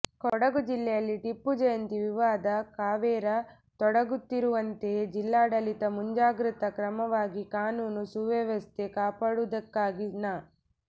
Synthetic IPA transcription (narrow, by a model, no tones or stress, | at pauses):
kɔɽɐɡud͡ʒilːɛjɐlːiʈipːud͡ʒɐjɐnt̪iʋiʋaːd̪ɐkaːʋɛːɾɐ | t̪ɔɽɐɡut̪ːiɾuʋɐnt̪e̞d͡ʒilːaːɽɐlit̪ɐmuɲd͡ʒaːɡɾit̪ɐkɾɐmɐʋaːɡikaːnuːnusuʋɐʋɐst̪ekaːpaːɽud̪ɐkːaːɡinɐ